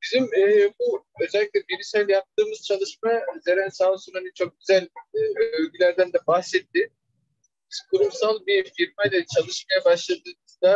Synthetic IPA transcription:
b̥izimɛːbuø̞zɛlʲːikʲlʲɛbiɾisælʲɛjap̚t̪ʰɯːmɯz̥t͡ʃʰalˠɯʃmazeɾænsaːsunhanit͡ʃʰo̞k̚ɟyzælʲid̪iøvɡʲylʲæɾd̪ænd̪ɛbahsɛt̪ːɪ | bizkʰuɾumsalˠbifiɾmajd̪ɛt͡ʃʰalˠɯʃmajabaʃlˠad̪ɯːmɯzd̪a

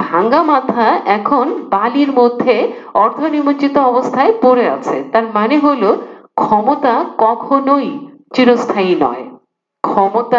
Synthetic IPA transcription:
bʱaŋɡamat̪ʰaʔɛkʰonbaliɾmod̪ʱːe | ɔɾt̪ʰonimot͡ɕit̪oɔbost̪ʰaepoɾea̰t͡ɕʰet̪aɾmaneɦolokʰɔmot̪akɔkʰonojt͡ɕiɾost̪ʰainɔ̰e | kʰɔmot̪a

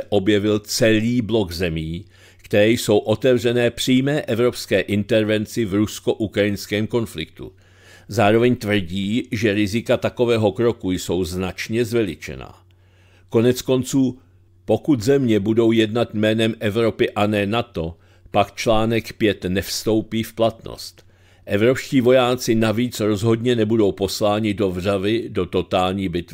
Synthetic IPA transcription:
ɛʔo̞bjɛvɪlt͡sɛliːblo̞ɡzɛmiː | kt̪ɛɾɛːjso̞wʔo̞t̪ɛvr̝ɛnɛːpr̝̥iːjmɛːʔɛvɾo̞pskɛːʔɪnt̪ɛɾvɛnt͡sɪvɾusko̞ʔukɾajɪnskɛːmko̞nflɪk̚t̪ṵ | zaːɾo̞vɛɲt̪vr̩ɟiːʒɛɾɪzɪkat̪ako̞vɛːɦo̞kɾo̞kujso̞wznat͡ʃɲɛzvɛlɪt͡ʃɛ̰na̰ː | ko̞nɛt͡sko̞nt͡suː | po̞kut̪zɛmɲɛbudo̞wjɛdnat̪jmɛːnɛmʔɛvɾo̞pɪʔanɛːnat̪o̞ | pakt͡ʃlaːnɛkpjɛt̪nɛfst̪o̞wpiːfplat̪no̰st̪ | ʔɛvɾo̞pʃciːvo̞jaːt͡sɪnaviːt͡sɾo̞zɦo̞dɲɛnɛbudo̞wpo̞slaːɲɪdo̞vr̝avɪdo̞t̪o̞t̪aːlɲiːbɪt̪

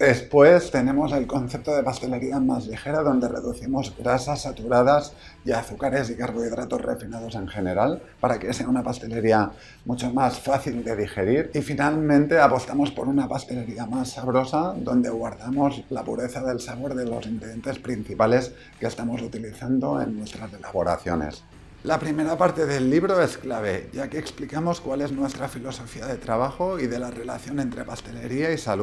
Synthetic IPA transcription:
d̪espwe̞st̪e̞ne̞mo̞ze̞lko̞nθe̞p̚t̪oðe̞past̪e̞le̞ɾiamazlixe̞ɾaðo̞nd̪ere̞̰ðuθimo̞zɣɾasasːat̪uɾað̞az | iaθukaɾe̞zikarɣoiðɾat̪ozrḛfinaðo̞se̞ŋxe̞ne̞ɾal | paɾakeseaunapast̪e̞le̞ɾia | mut͡ʃomasfaθild̪e̞ðixe̞ɾiɾifinalmẽnt̪e̞apo̞st̪amo̞spo̞̰ɾunapast̪e̞le̞ɾiamasːaβɾo̞saðo̞nd̪e̞ɣwaɾðamo̞zlapuɾe̞θaðe̞lsaβo̞ɾðe̞lo̞sinθiðe̞nt̪e̞spɾin̟θipale̞s | kest̪amo̞sut̪iliθand̪o̞ḛnːwest̪ɾase̞laβo̞ɾa̰θjo̞nḛs | lapɾime̞ɾapaɾt̪e̞ðe̞lːiβ̞ɾo̞e̞sklaβ̞e̞ʝakeːksplikamo̞skwale̞znwe̞st̪ɾafilo̞so̞fiaðe̞t̪ɾaβ̞axo̞iðe̞lare̞la̰θjo̞ne̞nt̪ɾe̞past̪e̞le̞ɾiaisalu

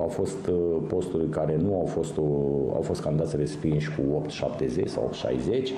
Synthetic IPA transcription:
awfo̞st̪po̞st̪ululkaɾe̞nuawfo̞st̪oa̰wfo̞st̪kanid̪at̪sʲre̞spinʃʲkuo̞pt̪ʃapt̪e̞zḛt͡ʃsa̰wop̚t̪ʃa̰jze̞t͡ʃʲ

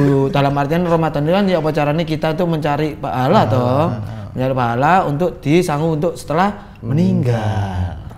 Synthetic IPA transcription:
uud̪̥a̤lamart̪ianromat̪ənilanjaupat͡ʃaɾanikit̪aunt̪ʊk̚məɲt͡ʃaɾipaɦalaːt̪ɔməɲt͡ʃaɾiʔpaɦalaunt̪ʊk̚d̪̥i̤saŋuːnt̪ʊk̚sə̥t̪əlah | məniŋɡall

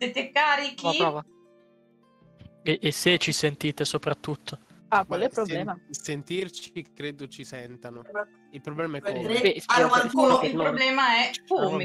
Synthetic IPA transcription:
set̪ekːaːɾikiɾɔva | eʔːsːet͡ʃːisent̪iːt̪esopɾat̪ːut̪ʰːo | akwalɛpɾoblɛːmasent̪irt͡ʃikːɾeːd̪ot͡ʃisɛnt̪ano | ilpɾoblɛːmaɛkesaaalkuːnoilnɾobblɛːmaɛum

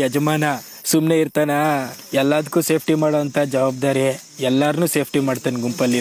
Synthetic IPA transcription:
ɐd͡ʒɐmaːnɐ | sumneiɾt̪aːnɐɛlːaːd̪ɐkːuːse̞ːpʰʈimaːɽoɐnt̪ʰad͡ʒɐʋaːb̚d̪aːɾe | ɛlːaːɾnuːse̞ːpʰʈimaːɖt̪ɐnɡumpɐlːi

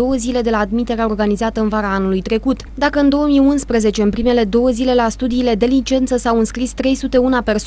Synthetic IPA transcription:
o̞wəzile̞d̪e̞laːd̪mit̪e̞ɾeao̞rɡanizat̪əɨnvaɾaanulujt̪ɾe̞kut̪d̪akəɨnd̪o̞wəmiunspɾeze̞t͡ʃe̞ɨnpɾime̞le̞d̪o̞wəzile̞last̪ud̪iːle̞d̪e̞lint͡ʃe̞nt̪səsawɨnskɾist̪ɾe̞jsut̪e̞unape̞rs

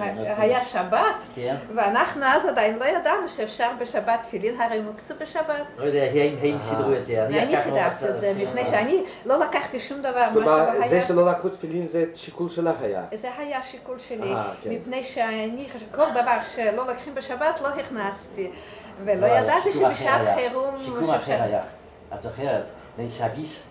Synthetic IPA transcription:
aɦajaʃabat̪veanaχnuazad̪ajinlojad̪anuʃeːfʃaʁbeʃabat̪ːfilimɦaʁejumikt͡subeʃabat̪lojod̪eaɦaimɦaimsid̪ʁuetzeanianisid̪aʁt̪iezemipnejʃeani | lolakaχt̪iʃumd̪avaʁmaʃaoajzeʃelolakχut̪filimzeʃikulʃelaχaja̰zeɦajaʃikulʃeliakemipnejʃeaniχaʃkold̪avaʁʃelolokχimbeʃabat̪loɦiχnast̪i | velojad̪at̪iʃebeʃaat̪χeʁuʃaja̰ | azoχeʁet̪ | nejshaɡis

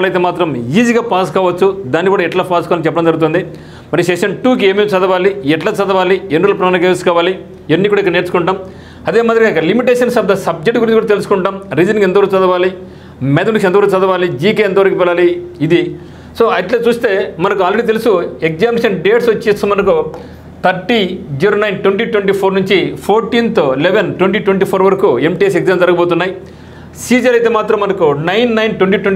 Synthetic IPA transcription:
lɐjt̪eːmaːt̪ɾɐmiːziːɡaːpaːskaːʋɐt͡ʃːud̪aːnːikuːɽaːiʈlaːpaːskaːalnit͡ʃɛpːɐɽɐmnd͡ʒɐɾɡut̪ond̪i | mɐɾiɐsekʂɐnʈuːkieːmit͡ʃɐd̪ɐʋaːliɛʈlaːt͡ʃɐd̪ɐʋaːlienɖulɐpɾɐnɐkeːskaːʋaːli | enːikuːɽaikːɐneːɾt͡ʃukuɳʈaːm | ɐd̪eːmaːd̪ɾɐɡaikɐlimiʈ̬eːʂɐnsɐb̚d̪ɐsɐb̚d͡ʒek̚ʈɡuɾint͡ʃikuːɽat̪elusu̥kuɳʈaːmɾiːd͡ʒɐniŋɡent̪ɐʋɐɾkut͡ʃɐd̪ɐʋaːli | med̪ɐnit͡ʃɛnt̪ɐʋɐɾkut͡ʃɐd̪ɐʋaːlid͡ʒiːkeɛnt̪ɐʋɐɾɐkupɛlːaːliːd̪i | so̞ːɐʈleːt͡ʃuːst̪e̞ːmɐnɐkuaːlɾeɽiːt̪e̞lusuekzaːmʂɐnɖeːʈsʋɐt͡ʃːisɐmɐnɐk̬u | t̪ʰɐɾʈːid͡ʒiɾoːnɐjnʈweɳʈiːʈweɳʈiːpʰoːɾnuɲt͡ʃipʰoːɾʈiːnt̪oːileʋenʈweɳʈiːʈweɳʈiːpʰoːɾʋɐɾɐkuemʈieseɡzaːmd͡ʒɐɾɐɡɐboːt̪unːaːji | siːd͡ʒɐlɐjt̪eːmaːt̪ɾɐmːɐnɐkunɐjnːɐjnʈweɳʈiʈweɳ

